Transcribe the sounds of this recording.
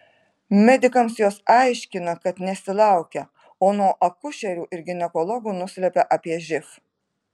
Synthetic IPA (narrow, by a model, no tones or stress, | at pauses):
mʲɛd̪ʲɪkɐmsjoːsɑɪʃʲkʲɪnɐkɐt̪nʲɛsʲɪlˠɑˑʊkʲɛ | oːnuɔʔɐkʊʃʲɛɾʲuːʔɪɾɡʲɪnʲɛkɔlˠɔɡuːnʊsʲlʲɛpʲɛʔɑpʲiɛʒʲɪf